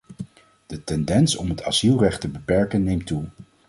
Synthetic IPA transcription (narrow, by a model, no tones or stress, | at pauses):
d̥ətɛndɛnsɔmɦəta̰z̥ilˠrɛχtəbəpɛɹkənːejmtu